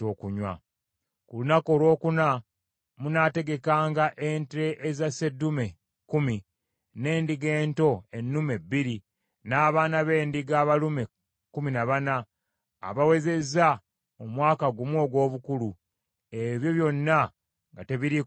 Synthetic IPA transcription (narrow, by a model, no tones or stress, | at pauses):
oːkuɲwa̰ | kulunako̞ːlwo̞ːkuna | munate̞ɡe̞kaːŋɡaʔente̞ʔezase̞dume̞ | kumi | ne̞ːndiɡe̞ːnto̞e̞nːume̞biɾi | naːβaːnaβe̞ːndiɡaːβalume̞ | kuminaβana̰ː | βawe̞ze̞za | omwaːkaɡumwo̞ːɡwo̞ːβukulu | e̞βjo̞βjo̞nːa | ŋɡate̞βiɾi